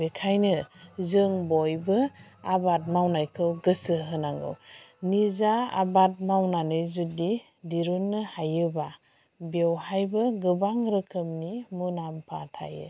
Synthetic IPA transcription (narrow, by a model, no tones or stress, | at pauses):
bekʰajnɯzɯŋbɔjbɯ | abat̬̚mawnajkʰɯwɡɯsɯɦɯnaŋɡɯ̰wnizaa̰bat̚mawnanɯzudi | diɾunːɯhajɯba | bewhajbɯɡɯbaŋɾɯkʰɯmnimunampʰatʰa̰jḛ